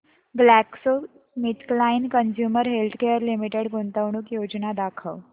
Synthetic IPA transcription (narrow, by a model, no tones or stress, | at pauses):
ɡlækso | mit̪klainkənsjuːməɾɦelt̪ʰkejəɾlimiʈeɽkunt̪əʋɳ̃uːkjod͡ʑnad̪akʰəw